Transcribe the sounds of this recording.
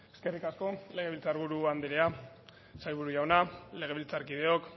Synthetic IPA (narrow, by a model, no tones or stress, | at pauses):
e̞ske̞rikasko̞le̞ɣ̞e̞βilt͡saɾɣuɾuand̪eɾea | sajβ̞uɾuʝawnale̞ɣ̞e̞βilt͡saɾkið̞e̞o̞k